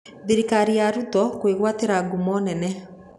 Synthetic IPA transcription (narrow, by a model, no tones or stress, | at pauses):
ðeɾikaɾiaɾutɔkweɣwateɾaɡumɔnɛnɛ